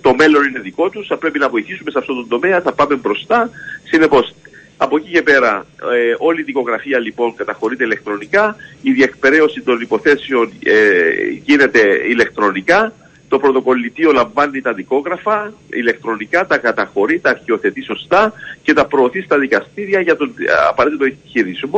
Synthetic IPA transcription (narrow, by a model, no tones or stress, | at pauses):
t̪o̞me̞lo̞nine̞ðiko̞t̪usθɐpɾe̞pinɐvo̞iθisume̞sɐft̪ot̪ond̪o̞me̞ɐθɐpɐme̞mbɾo̞st̪ɐsine̞po̞s | ɐpo̞cice̞pe̞ɾɐ | o̞liðiko̞ɣɾɐfiɐlipo̞ŋkɐt̪ɐxoɾit̪e̞ilekt̪ɾo̞nikɐiðiekpe̞ɾe̞o̞sit̪o̞nipo̞θe̞seo̞neʝine̞t̪e̞ile̞kt̪ɾo̞nikɐ | t̪o̞pɾo̞t̪o̞ko̞lːit̪io̞lɐɱvɐnːit̪ɐðiko̞ɣɾɐfɐḭle̞kt̪ɾo̞nikɐt̪ɐkɐt̪ɐxo̞ɾit̪ɐːɾçio̞θe̞t̪iso̞st̪ɐce̞t̪ɐpɾo̞ːθist̪ɐðikɐst̪iɾiɐʝɐt̪onɐ̰pɐet̪t̪oçiɾizmo